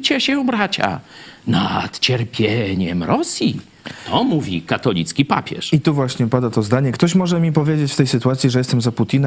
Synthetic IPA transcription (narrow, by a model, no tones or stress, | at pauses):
t͡ɕɛɕɛũbɾat͡ɕa̰nat̪t͡ɕɛɾpʲjeɲɛmɾɔsʲji | t̪ɔmuvʲḭkat̪ɔlʲḭt̪skʲipa̰pʲɛ̰ʂit̪uvwaɕɲɛupad̪at̪ɔzd̪aɲɛkt̪ɔɕmɔʐɛmʲipɔvʲjed͡ʑet͡ɕft̪ɛjsɘt̪uat̪sʲjiʐɛjɛst̪ɛmzaput̪ʲinɛ